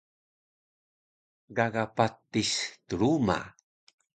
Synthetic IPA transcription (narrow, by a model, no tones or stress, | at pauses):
ɡaɡapat̪ːistəɾuma̰